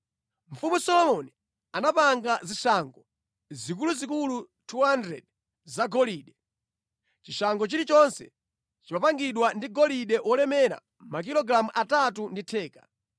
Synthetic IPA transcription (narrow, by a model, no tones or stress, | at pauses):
m̩fumusɔlɔmɔni | anapaŋɡaziʃaŋɡɔ | zik̬uluzikulu | tʰuɦandɾɛ̰d̚ | zaɡɔliɗɛ | t͡ʃiʃaŋɡɔt͡ʃiɾit͡ʃɔnsɛ̰ | t͡ʃipapaŋɡiɗwandiɡɔliɗɛwɔlɛmɛɾa̰ | mak̬ilɔɡɾamuʔatatunditʰɛːka